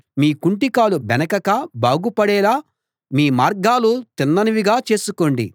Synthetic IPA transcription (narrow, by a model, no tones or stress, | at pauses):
miːkuɳʈikaːlubɛnɐkɐkabaːɡupɐɽɛːlaː | miːmaːɾɡaːlut̪inːɐniʋiɡaːt͡ʃe̞ːsuko̞ːɳɖḭ